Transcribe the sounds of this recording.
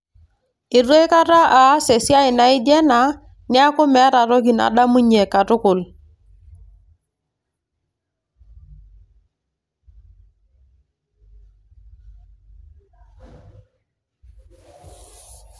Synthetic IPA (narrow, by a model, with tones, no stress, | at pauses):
ɪ˨ɾe˦jka˦ta˦ʔa˨˦sɛ˨si˦a˦ɪ˨na˦ɪ˦dɛ˦na˨˦ | nɪ˦a˦kʊ˦mɛ˨˦ɾa˨ɾɔ˦ki˨na̰˨da˦mu˦ɲe˨ka˨tʊ˦kʊ˨l